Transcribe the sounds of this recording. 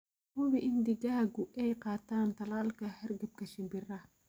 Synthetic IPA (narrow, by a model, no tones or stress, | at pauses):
hʊβɪʔɪnd̪ɪɣɐɦɐɡʊɛjqɑːt̪ʰaːnt̪ʰɐlaːlkʰɐhɐrɡɐb̚kʰɐʃɪmbɪrɐ